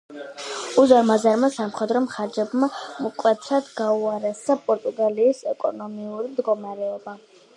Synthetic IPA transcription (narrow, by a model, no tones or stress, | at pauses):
uzaɾmazaɾmasamχwɛd̪ɾɔmχaɾd͡ʒɛbmamɔkʼwɛt̪sʰad̪ɡauaɾɛsapʼɔɾt̪ʼuɡaliːsɛkʼɔnɔmiuɾimd̪ɡɔmaɾɛɔba